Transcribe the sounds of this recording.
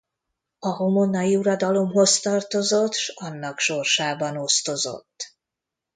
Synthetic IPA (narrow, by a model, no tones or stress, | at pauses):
ɒɦo̞mo̞nːɒjiuɾɒd̪ɒlo̞mɦo̞st̪ɒrt̪o̞zot̪ːʃɒnːɒkʃo̞rʃaːbɒno̞st̪o̞zo̰t̪ː